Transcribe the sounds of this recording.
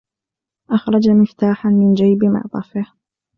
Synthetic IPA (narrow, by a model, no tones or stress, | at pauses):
ʔɑxɾˤɑd͡ʒamɪft̪aːħanmɪnd͡ʒajbɪma̰ʕd̪ˤɑ̰fɪh